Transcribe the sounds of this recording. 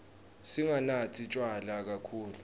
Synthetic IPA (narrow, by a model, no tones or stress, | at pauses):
siŋanatʰit͡ʃʼwalak̬akʰuːlu